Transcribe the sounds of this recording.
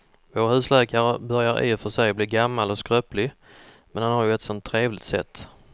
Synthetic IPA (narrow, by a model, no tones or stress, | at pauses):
voːɾahʉ̟ːslɛːkaɾəbœɾjaɾɪ̰ːfœʂɛjɔbliːɾɡamːalɔskɾœːplɪ | mɛnhanhaɾjɵɛt̪sɔnt̪ʰːɾeːvlɪt̪sɛ̰t̪ː